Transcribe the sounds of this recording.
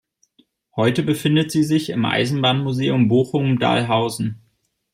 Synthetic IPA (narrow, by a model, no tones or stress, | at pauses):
hɔʏtəbəfɪndətz̥iːzɪçɪmʔa̰ɪzn̩baːnmuzeːʊmboːxʊŋda̰ːlɦaʊzn̩